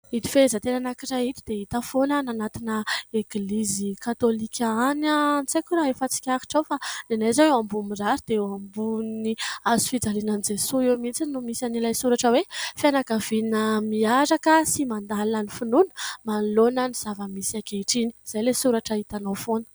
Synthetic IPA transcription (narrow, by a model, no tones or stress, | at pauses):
it̪i̥fezət̪eɾanakirait̪id̪̥eit̪afonananat̪inəeɡlizikat̪olikʲʰaanant͡sakuɾaefat͡si̥kʲaɾi̥ʈ͡ʂawfad̪enajzaewambumiraɾid̪̥eambuniazu̥fid͡zalinanid͡ʒesuewmint͡sinumisanilajsuɾaʈ͡ʂəwefianakav̥inəmiaɾakəsimand̪alinanifinunə̥manlonəniz̥avəmisakeiʈ͡ʂiniz̥ajlesuɾaʈ͡ʂəit̪anowfonə̥